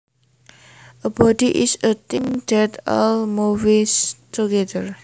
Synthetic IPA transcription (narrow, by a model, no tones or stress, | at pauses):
ʔəbɔdiʔɪsət̪iŋdɛtɔlmuvistʰuɡɛd̪əɹ